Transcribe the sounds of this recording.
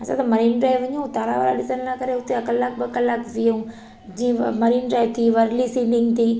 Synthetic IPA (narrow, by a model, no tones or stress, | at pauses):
ɐsã̰t̪ɐmɐɾiːnɖɾaːjʋɐɲũt̪aːɾa̰ʋa̰ːla̰ɗɪsənnakɐɾeɦʊt̪eɐkɐlːaːk̚bɪkɐlaːkzijõː | d͡ʑĩːmɐɾiːnɖɾaːjt̪ʰiʋɐɾlisĩɳɖɪŋɡt̪ʰiː